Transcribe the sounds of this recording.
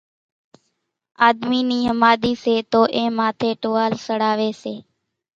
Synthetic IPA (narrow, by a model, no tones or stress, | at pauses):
aːd̪miːniːɦəmaːɗ̪iːseːt̪oːʔẽːmaːt̪ʰeːʈoːʋaːlsəɽaːʋeːseː